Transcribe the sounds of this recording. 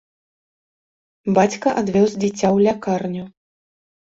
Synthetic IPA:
bat͡sʲkɐʔad̪vʲɔzd͡zʲit͡sʲːawlʲakarnʲu

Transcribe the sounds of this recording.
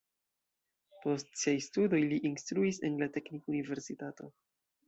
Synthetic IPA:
po̞stsiajstudo̞jliʔinstɾuise̞̰nlate̞knikunive̞ɾsitato̞

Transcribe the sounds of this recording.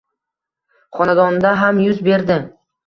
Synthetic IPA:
χɒnad̪ɒnd̪aɦamjʊzbe̞ɾd̪ɪ

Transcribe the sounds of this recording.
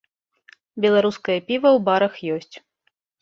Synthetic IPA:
bʲɛlˠaɾuskɐjɐpʲivɐwbaɾɐxjɔsʲt͡sʲ

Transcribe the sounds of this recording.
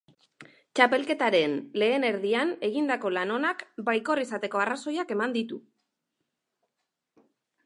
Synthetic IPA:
t͡ʃape̞lke̞t̪aɾe̞nle̞ːne̞ɾðiane̞ɣ̞ind̪ako̞lano̞nakbajko̞risat̪e̞ko̞araso̞jake̞mand̪it̪u

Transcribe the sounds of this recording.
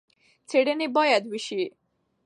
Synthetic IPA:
t͡sʰeɽenebɔjad̪ʋiɕi

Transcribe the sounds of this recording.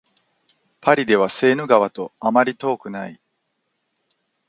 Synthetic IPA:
pʰaɾʲid̪e̞β̞ase̞ːno̟ɡaβ̞at̪o̞amaɾʲit̪o̞ːkɯ̟nai

